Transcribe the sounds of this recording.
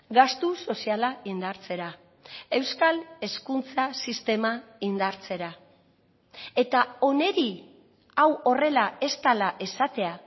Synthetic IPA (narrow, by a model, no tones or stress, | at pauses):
ɡast̪uso̞sialaind̪aɾt͡se̞ɾa | e̞wskale̞skunt͡sasist̪e̞maind̪aɾt͡se̞ɾa | e̞t̪ao̞ne̞ɾi | awo̞re̞lae̞st̪alaʔe̞sat̪e̞a